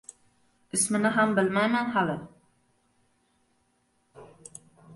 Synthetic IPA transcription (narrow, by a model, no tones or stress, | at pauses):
ɪsmɪnɪɦambɪlmajmænɦalɪ